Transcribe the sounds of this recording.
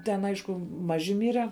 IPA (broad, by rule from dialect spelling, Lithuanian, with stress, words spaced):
ˈtʲɛn ˈɐɪʃkʊ ˈmɑːʒʲɪ ˈmʲiːrʲɛ